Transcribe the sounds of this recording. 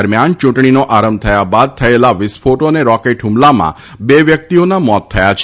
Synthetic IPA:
ɾmjant͡ʃũʈɳ̃inoʔaɾəmb̚t̪ʰəjabad̪̚t̪ʰəelaʋɪspʰoʈoneɾɔkeʈɦũmlamã̰ | beʋjək̚t̪ionamɔt̪ʰːəjat͡ʃʰ

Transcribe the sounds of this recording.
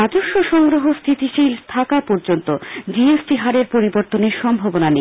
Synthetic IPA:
adoʃːoʃɔŋɡɾoɦost̪ʰit̪iʃilt̪ʰakapɔɾd͡ʑont̪od͡ʑiesʈiɦaɾeɾpoɾiboɾt̪oneɾʃɔmbʱabonane

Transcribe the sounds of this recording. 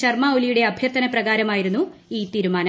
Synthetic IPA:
ɐrmaːolijuɽe̞ɐbʱjɐrt̪ːɐnɐprɐɣaːɾɐmaːjiɾunːuiːt̪iːɾumaːnɐ

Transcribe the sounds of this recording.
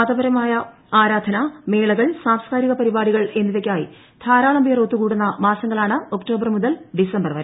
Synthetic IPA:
aːd̪ɐbɐɾɐmaːjɐ | aːɾaːd̪ʱɐnɐme̞ːɭɐɣɐɭsaːmskaːɾiɣɐpɐɾibaːɽiɣɐɭe̞nːiʋekʲːaːji | t̪ʰaːɾaːɭɐmbʱijɐroːt̪ːukuːɽunːɐmaːsɐŋːɐɭaːɳɨo̞kʈo̞ːbɐrmuðɐlɖisɐmbɐrʋɐɾ

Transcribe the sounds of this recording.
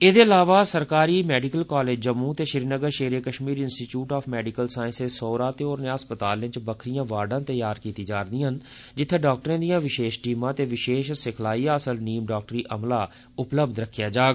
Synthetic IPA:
eːd̪eːəlaːʋaːsəɾkaːɾiːmɛːɖikəlkaːleːd͡ʒd͡ʒəmːũːt̪eːʃɪɾiːnəɡəɾʃeːɾeːkəʃmiːɾɪnsʈiːt͡ʃjuːʈaːpʰmɛːɖikəlsaːɪ̃nsesoːɾaːt̪eːoːɾnaːspət̪aːlɪ̃t͡ʃbəkʰɾijãːʋaːɖãːt̪əjaːɾkiːt̪iːd͡ʒaːɾd̪ĩːɦən | d͡ʒɪt̪ʰːẽːɖaːk̚ʈəɾãːd̪ijãːʋɪʃeːʃʈiːmãːt̪eːʋɪʃeːʃsɪkʰlaːiːaːsəlniːmɖaːk̚ʈɾiːʔəmlaː | ʊpləbd̪ɾəkʰːjaːd͡ʒaːɡ

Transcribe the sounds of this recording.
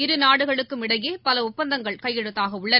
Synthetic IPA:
ɪɾɯnaːɽɯɣɐɭɯkːɯmɪɽɐjeːpɐlɐʊp̚pːɐnd̪ɐŋɡɐɭkɐjːɛɽɯt̪ːaːɣɐʊɭːɐ

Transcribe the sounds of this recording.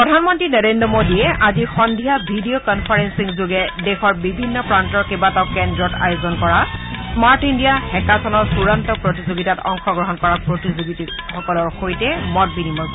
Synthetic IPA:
ppɹɔdʱanmɔntɹinɔɹendɹɔmodiɛʔazixɔndʱijabʱidijokɔnpʰaɹɛnsiŋzuɡɛdɛxɔɹbibʱinːɔpɹantɔɹkebatakɛndɹɔta̰jozɔnkɔɹasmaɹtindijahɛkasɔnɔɹsuɹantɔpɹotizoɡitatɔ̰ŋxɔɡɹɔɦɔnkɔɹapɹotizoɡitixɔkɔlɔɹxojtɛmɔt̚binimɔɹ

